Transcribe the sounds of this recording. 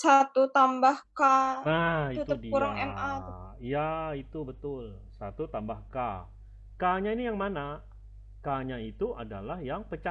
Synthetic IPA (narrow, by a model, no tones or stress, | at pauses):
sat̪ut̪ambahkaaiut̪udikuɾaŋɛmaijait̪ubət̪ʊl | sat̪ut̪ambahka | kaɲainijaŋmana | kaɲait̪uʔadalahjaŋpət͡ʃa